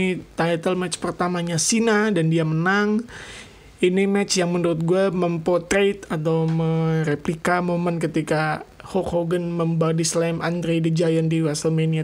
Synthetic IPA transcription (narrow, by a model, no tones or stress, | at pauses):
it̪ajt̪əlmɛt͡ʃpərt̪amaɲasinadandiamənaŋ | inimɛt͡ʃjaŋmənuɾʊt̪̚ɡuaməmpɔt̪ɾet̪at̪̬awməɾeplikamomənkət̪ikahɔkhoɡənməmbadislamʔand̪ɾedəd͡ʒajandiwasəlmenia